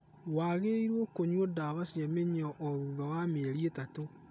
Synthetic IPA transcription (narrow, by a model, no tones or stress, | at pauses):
waɣeeiɾwokoɲwodaβasjameɲɔʔɔðuðawameɾietato